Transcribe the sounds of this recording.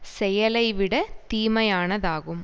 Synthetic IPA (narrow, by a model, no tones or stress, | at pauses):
sɛjɐlɐɪʋɪɽɐt̪iːmɐjaːnɐðaːɣɯm